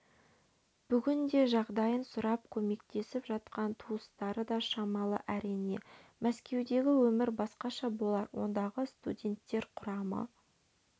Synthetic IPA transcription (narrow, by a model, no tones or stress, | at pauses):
b̥ʏɡʲɪnd̪e̞ʒɑʁd̪ɑjənsʊɾɑp̚kʲʰɵme̞kt̪e̞sɪpʒɑt̪qɑnt̪ʰuəst̪ɑɾəd̪ɑʃɑmɑlˠə̰ʔæɾijne̞mæskʲe̞wd̪e̞ɡʲɪwɵmɪɾbɑsqɑʃɑbo̞lˠɑɾwo̞̰nd̪ɑʁəst̪udʲe̞nt̪ːe̞ɾqʰʊɾɑmə̰